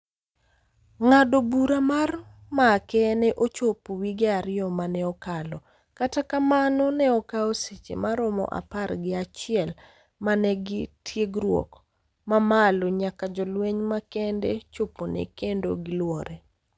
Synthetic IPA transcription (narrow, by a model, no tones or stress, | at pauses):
ŋadobuɾamarmakɛnɛʔot͡ʃopowiɡɛaɾɪjɔmanɛɔkalɔ | katakamanonɛɔkaoset͡ʃḛmaɾomɔ̰ʔa̰parɡɪat͡ʃɪɛl | manɛɡɪtʰjeɡɾwɔ̰k | mamaloɲakad͡ʒɔlweɲmakɛndet͡ʃoponḛkendo̰ɡɪlwɔɾɛ